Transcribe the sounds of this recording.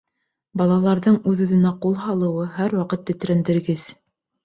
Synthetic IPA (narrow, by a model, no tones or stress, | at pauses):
bɑlˠɑlˠɑɾðɤɴʉðʉðɘ̆næqulˠɦɑlˠɤ̆wɤɦæɾwɑqɤt̪ːɘ̆t̪ɾænd̪ɘ̆ɾɡɘð